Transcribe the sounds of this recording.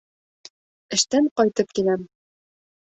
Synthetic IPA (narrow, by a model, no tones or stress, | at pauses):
ɘ̆ʃt̪æɴqɒjt̪ɤp̚kilæm